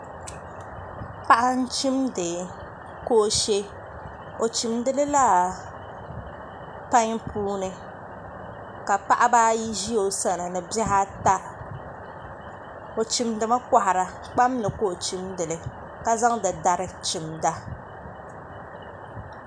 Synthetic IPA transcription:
pa˦ʔa˦n̩˦t͡ʃi˦mdɨ˨ | ko˦ʃe˦ | o˨t͡ʃi˨mdɨ˦lɨ˦la˦ | pa˦ɲpuː˦nɨ˨ | ka˨pa˦ʔa˦baː˦ji˦ʒi˦jo˨sa˦nɨ˨nɨ˨bɛ˦ha˦ta˦ | o˨t͡ʃi˨mdɨ˨ma˦ka˨ha˨ɾa˨ | k͡pa˦mnɨ˨koː˦˨t͡ʃi˦mdɨ˨lɨ˨ | ka˦za˦ŋdɨ˨da˨ɾɨ˦t͡ʃi˨mda˦

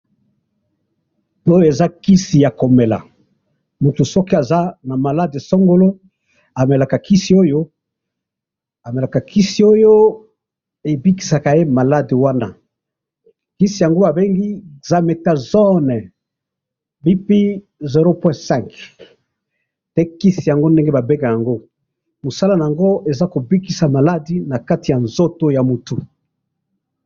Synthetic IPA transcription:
to˦˨e˨za˦ki˦si˨ja˨ko˨me˨la̰˨ | mu˨tu˨sɔ˦ki˦a˨za˦na˨ma˨la˦de˨so˦ŋɡo˦lo˦ | a˨me˨la˨ka˨kʰi˦si˨o˦jo˦ | a˨me˨la˨ka˨ki˦si˨o˦jo˦ | e˨bi˦ki̥˨sa˨ka˨je˦ma˨la˦de˨wa˦na˦ | ki˦si˨ja˨ŋɡo˦a˨be˦ŋɡi˦za˨me˨ta˨zɔ˦nɛ˨ | bi˦pi˦ | ze˨ʁo˦pwɛ̃˦sɛ̃˦˨ŋk | tɛ˦ki˦si˨ja˨ŋɡo˦nde˦ŋɡe˦ba˨be˦ka˨ja˨ŋɡo˦ | mo˨sa˦la˦na˨ja˨ŋɡo˦e˨za˦ko˨bi˦ki˨sa˨ma˨la˦di˨na˨ka˦ti˨ja˨nzo˦to˦ja˨mu˨tu˨

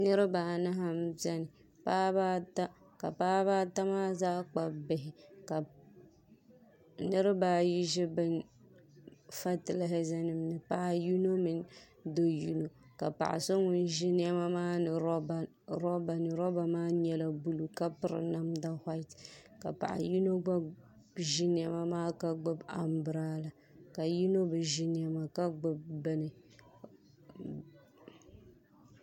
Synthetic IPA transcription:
nɨ˦ɾɨ˦baː˨na˦ɦa˦mzɛ˦nɪ˨ | paː˦baː˦ta˦ | ka̰˨paː˦baː˦ta˦maː˦zaː˦k͡pa˨bbɪ˨ɦɪ˨ka˨ | nɨ˦ɾɪ˦baː˨˦ji˦ʒɪ˦bɨ˦n | fa˦tɨ˨la˦ɦɪ˦zɛ˦nɨ˦m˦nɨ˨pa˦ju˦no˦mɪ˨n˦ | do˦ju˦no˨ka̰˨pa̰˨ʔɪ̰˨so˦ŋʊ˦n˦ʒɪ˦nɪ˦ɛ˦ma˦maː˦nɨ˨˦b | ɾɔ˦ba˨nɨ˨ɾɔ˦ba˨maː˦ɲɛ˦la˨bu˦lu˨ka˦pɨ˨ɾɪ̰˨na˦mda˦hʷa˦tka̰˨pa̰˨ʔa̰˨ju˦no˦ɡ͡ba˦ | ʒi˦nɪ˦a˦ma˦maː˦ka˦ɡ͡bʊ˦ba̰˨m˦bɨ˨ɾaː˦la˨ | ka˨ju˦no˦bɨ˨ʒi˦n˦a˨ma˨ka˦ɡ͡bʊ˦b̚bɛ˦nɨ˨

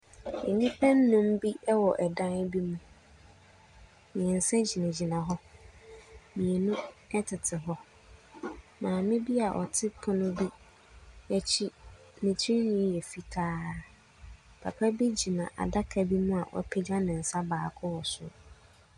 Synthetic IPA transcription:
ḛ˨nĩ˦pʰɛ̃˦nː˦ʊ̃˦mbi˦ʔɛ˦wɔ˨ʔɛ˨dã˦n˦bi˦mũ˦ | mĩ˨ɛ̃˨n̩˨sɛ̃˦d͡ʑi˨nɪ̃˨d͡ʑi˨nã˨ɦɔ˦ | mĩ˨e˨nʊ̃˦ɛ˦tʰɪ˨tʰɪ˨ɦɔ˦ | mãː˨mɪ̃˦bi˦a˨ʔɔ̰˨tʰɪ˦pʰʊ̃˦nʊ̃˦bi˦ | ɛ˨t͡ɕʰi˦ | nɪ̃˨t͡ɕʰi˦i˦nĩ˦jɛ˨fi˨tʰaː˦ | pʰa̰˨pʰa˦bi˦d͡ʑi˨nã̰˨ʔa̰˨da˦kʰa˨bi˦mũ˦a̰˨wʔɔ̰˦pʰɛ˦d͡ʑã˦nɪ̃˨n̩˨sa˦baː˨kʰʊ˦wɔ˨sʊ̰˦

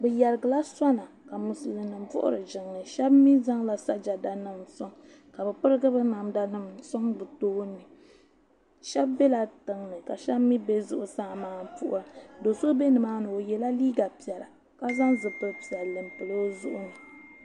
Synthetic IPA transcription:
bɛ˨jɛ˨ɾɨ˨ɡɨ˨la˦sa˦na˨ | ka˨mu˨sɨ˨lɨ˨nɨ˨mvʊ̰˦ʔʊ̰˦ɾɨ˨ʒɪ˨ŋnɨ˨ʃɛ˦bmi˦za˦ŋla˨sa˦d͡ʒa˨da˨nɨ˦msɔ˦ŋ | ka˨bɛ˨pɨ˦ɾɨ˦ɡɨ˦bɨ˦na˨mda˨nɨ˦msɔ˦ŋbɨ˨toː˦nːɨ˨ | ʃɛ˦b̚ːe˦la˨tɨ˨ŋnɨ˨ka˨ʃɛ˦bmi˦be˦zʊ˦ʔʊ˨sa˦˨maː˦n˦pʊ˦ʔʊ˦ɾa˨do˨so˦be˦nɨ˨maː˦nɨ˨o˨jɛ˨la˦liː˦ɡa˨pi˨ɛ˨la̰˨ | ka˦za˦ŋzɨ˨pɨ˦lpi˨a˨lɨ˨mpɨ˨lo˦zʊ˦ʔʊ˦nɨ˨

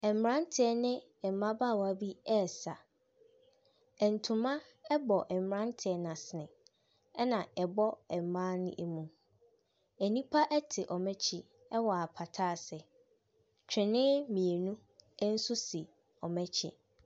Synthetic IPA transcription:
ɛ˨m̩˨ɾã˦n̩˦tʰɪ˨ɛ˦nɪ̃˦ | ɛ˨m˨mã˦baː˦˨wa˦bi˦ɛ˦˨sa˨ | ɛ˨n̩˨tʰʊ̃˨mã˦ | ɛ˦bɔ˨ʔɛ˨m̩˨ã˦n˦tʰɪ˨ɛ˦nã˨sɪ˨nɪ̃˨ | ɛ˦nã˨ɛ˨bɔ˦ɛ˨m˨mãː˦nʊ̰̃˦ʔe˨mũ˨ | æ˨nĩ˦pʰa˦ʔɛ˦tʰɪ˨ʔɔ˨mɛ̃˦t͡ɕʰɪ˦ | ɛ˦wɔ˨a˨pʰa˨tʰaː˦˨sɪ˨ | t͡ɕᶣɪ̃˨nɪ̃˦mĩ˨e˨nũ˦ | ɛ˦n̩˦sʊ˦si˨ | ɔ˨mɛ̃˦t͡ɕʰɪ̰˦

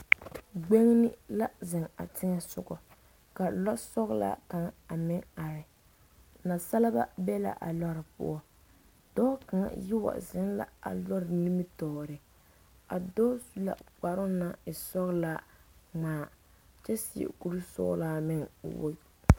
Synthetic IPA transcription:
ɡ͡be˦ŋ˦nɪ˦la˦zɪ˨ŋa̰˨tɪ˦ŋɛ˦sʊ˦ɡɔ˨ | ka˨lɔ˦sɔ˦ɣla̰˦ka˨ŋa˨mɪ˦ŋa˨ɾɪ˨ | na˨sa˦la˦ba̰˦bɛ˦la̰˨ʔa̰˨lɔ˦ɾɪ˨pʊ̰˦ɔ˦ | d̥ɔ˦ka˨ŋjɪ˦wa̰˨zɪ˦nla̰˦a̰˨lɔ˦ɾɪ˨ni˦mi˦tɔː˨ɾɪ˨ | a˨dɔ˦su˦la̰˨k͡pa˨ɾʊ˦na˦ɪ˨sɔ˦ɣla˦ŋ͡maː˨˦ | t͡ʃɛ˦sɪ˨ɛ̰˨ku˦ɾu˦sʊ̰˦la˦mɪ˦ŋ̰˨wo̰˦˨

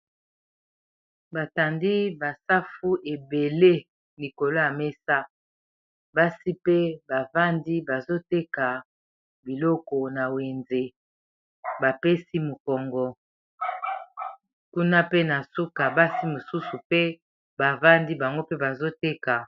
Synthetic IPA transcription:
ba˨ta˨ndi˦ba˨sa˦fu˦ʔe˨be˨le˦ | li˨ko˨lo˦ja˨me˦sa˦ | ba˦si˦pe˦ba˨va˦ndi˦ba˨zo˦te˦ka˨ | bi˨lɔ˦kɔ˨na˨we˨nze˦ | ba˨pe˦si˦mo˨kɔ˨ŋɡɔ˨ | ku˦na˦pe˦na˨su˦ka˨ba˦si˦mo˨su˦su˨pe˦ | ba˨va˦ndi˦ba˨ŋɡo˦pe˦ba˨zo˦te˦ka˨

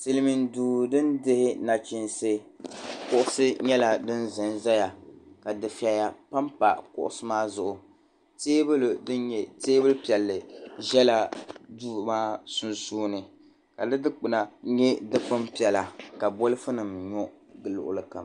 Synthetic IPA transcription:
ti˨lɨ˦mi˨nduː˨dɨ˦ndɪ˦hɪ˦na˨t͡ʃi˨nsɨ˦kʊ˦ʔʊ˦sɨ˦ɲɛ˦la˨dɨ˦nzɨ˨nza˦ja˨ka˨dɨ˨fi˨a˨ja˨pa˦mpa̰˨kʊ̰˨ʔʊ̰˨sɨ˦maː˦zʊ˨ʔʊ˨ | teː˦bɨ˦ldɨ˦nɲɛ˨teː˦bɨ˦lpi˨ɛ˨lːɨ˨ʒɛ˦la˦duː˦˨maː˦sʊ˦nsuː˦nɨ˨ | ka˨dɨ˦dɨ˦k͡pɨ˨na˨˦ɲɛ˦dɨ˦k͡pɨ˦mpi˨ɛ˨la˨ka˨bo˦lɨ˦fʊ˦nɨ˨mɲɔ˦ | ɡɨ˨lʊ̰˨ʔʊ̰˦lɨ˦ka̰˨m

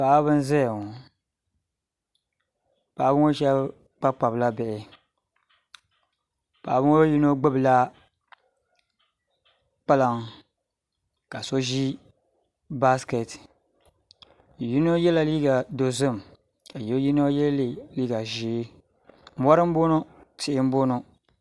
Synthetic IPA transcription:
pa˨ʔa˦βɨ˦n˦zɛ˦˨ŋo˨ | pa˨ʔbɨ˦ŋo˦ʃɛ˦b | k͡pa˦k͡pa˨bla˦bɛ˨ʔɪ˨ | pa˨ʔbɨ˦ŋo˦ji˦no˦ɡ͡bɨ˦bɨ˨la˦ | k͡pa˦la˨ŋ˨ | ka˨so˦ʒi˦ | ba˦ske˨t | ji˦no˦jɛ˦la˨liː˦ɡa˨do˨zɨ˦˨m | a˨jo˦ji˦no˦jɛ˦lli˨liː˦ɡa˨ʒiː˨˦ | m̩˦wa˦ɾɨ˦m̩˦bo˦no˦ | tɪ˨ʔɪ˦m˦bo˦no˦

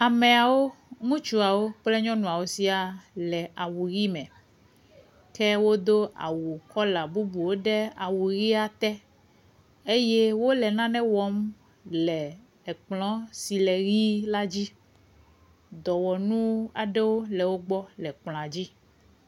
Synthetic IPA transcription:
a˨mɛ̃˨a˨wo˦ŋũ˦t͡ʃu˦a˨wo˦k͡plɛ˦ɲɔ̃˦nũ˨a˨wo˨si˦a˨lɛ˨a˨wu˨ɣi˦mɛ̃˨ | kɛ˦wo˦d̪o˦a̰˨wu˨kɔ˦la˨bu˦bu˨wo˦ɖe˦a˨wu˨ɣi˦a˨t̪ɛ˦ | e˦jɛ˦wo˦lɛ˨nã˦nɛ̃˦wɔ˦m | lɛ˨ | ɛ˨k͡plɔ̃˦si˨lɛ˨ɣi˦la˦d͡ʑi˦ | d̪ɔ˨wɔ˨nũ˦a˨ɖɛ˦wo˦lɛ˨wo˦ɡ͡bɔ˦lɛ˨k͡pl̃a˨d͡ʑi˦

